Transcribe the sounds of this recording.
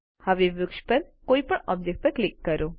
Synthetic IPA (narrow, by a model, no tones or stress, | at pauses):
həʋeʋʊkʃpəɾkoːipəɳɔ̰b̚d͡ʒek̚ʈ̚pəɾklɪkːəɾo